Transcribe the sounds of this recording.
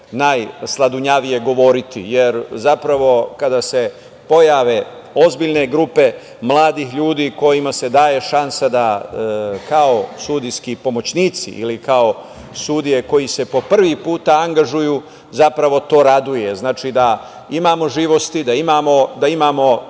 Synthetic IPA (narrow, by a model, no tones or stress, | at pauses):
najslˠad̪uɲaʋije̞ɡo̞ʋo̞ɾit̪ḭjeɾzapɾaʋo̞kad̪ase | po̞jaːʋe̞ | o̞zbiʎne̞ɡɾupe̞ | mlˠaːd̪ixʎuːd̪iːko̞jimase̞d̪aːje̞ʃansad̪a | kao̞sud̪ijskipo̞mo̞t͡ɕniːt̪sḭʔḭlikao̞ | sud̪ije̞ko̞jise̞po̞pr̩ʋipuːt̪aaŋɡaʒujuː | zapɾaʋo̞t̪o̞ːɾad̪uje̞znaːt͡ʃid̪a | imaːmo̞ʒiːʋo̞st̪id̪aimaːmo̞d̪aimaːmo̞